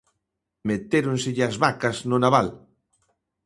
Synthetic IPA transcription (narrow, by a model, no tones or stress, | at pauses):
met̪eɾonsɪʎazβakaznʊnaβal